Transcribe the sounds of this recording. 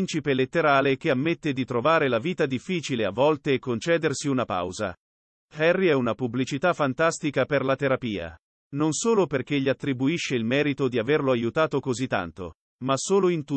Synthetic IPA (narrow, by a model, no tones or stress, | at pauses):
nt͡ʃipelet̪ːeɾaːlek̟eamːet̪ːed̪it̪ɾovaːɾelaviːt̪ad̪ifːiːt͡ʃilea̰vːɔlt̪eːkːont͡ʃɛːd̪ersiunapa̰wza̰ | hɛrːiɛunapublit͡ʃit̪afːant̪ast̪ikaperlat̪eɾapiːa̰ | nonsoːloperk̟eʎːiat̪ːɾibuiʃːeilmɛːɾit̪od̪iaverloajut̪aːt̪okozit̪ːa̰nt̪o̰ | masoːloint̪u